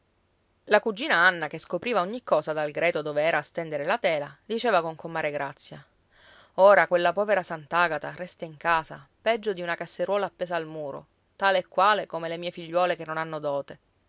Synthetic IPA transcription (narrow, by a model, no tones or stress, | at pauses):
lakud͡ʒːiːnaanːakeskopɾiːvaoɲːikːɔːzad̪alɡɾɛːt̪od̪oːveɛːɾaːst̪ɛnd̪eɾelat̪ɛːlad̪it͡ʃeːvakoŋkomːaːɾeɡɾat̪sːja | oːɾakwelːapɔːveɾasant̪aɡat̪aɾɛst̪aiŋkaːzapɛd͡ʒːod̪iunakasːeɾwɔːlaːpːeːzaːlmuːɾo̰ | t̪aːleːkːwaːlekomelemiːefiʎːwɔːlekenːonanːod̪ɔːt̪e